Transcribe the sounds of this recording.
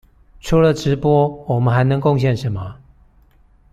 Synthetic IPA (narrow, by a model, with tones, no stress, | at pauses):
ʈ͡ʂʰu˨˥lə˨ʈ͡ʂɻ̩˨˦pwɔ˥wɔ˨˩mə˦nxa˧˥ɪnɤ˧˥ŋko˥˧ŋɕ̬jɛ˥˨nʂə˨˦nmə˨